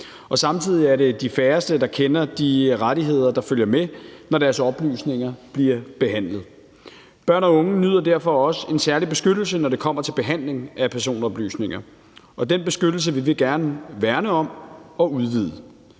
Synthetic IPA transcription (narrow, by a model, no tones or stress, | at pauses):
ɒ̽sɑ̈mt͡sʰið̞̰ˠiæɐɾe̝d̥ifæːɐsd̥əd̥ɑ̈kʰenɐd̥iʁaɾiɦe̝ð̞̰ˠɐd̥ɑ̈føljɐmenɒɾæɐsɒ̽b̥ly̰ːsne̝ŋɐb̥liɐb̥e̝ɦæn̰lð̞̩ˠ | b̥ɶɐ̰nɒ̽ɔ̽ŋənyð̞̰ˠɐd̥æɐ̰fɒ̽ɒ̽se̝nsæɐlib̥e̝sɡ̥ød̥l̩sənɒɾe̝kʰɒ̽m̰ɐt͡sʰe̝lb̥e̝ɦæn̰le̝ŋʔæpʰæɐs̬o̝̰ːnɒ̽b̥ly̰ːsne̝ŋɐ | ɒ̽d̥enb̥e̝sɡ̥ød̥l̩s̬əʋiʋe̝ɡ̥æɐnəʋæɐnəɒ̽mɒ̽uðˠʋið̰ˠə